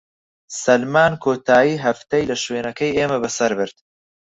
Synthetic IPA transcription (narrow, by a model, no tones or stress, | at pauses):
sɐlmaːnkʰoːt̪ʰaːjiːɦɐft̪ɐjlɐʃweːnɐkɐjeːmɐbɐsɐɾbɨɾd̪̥̚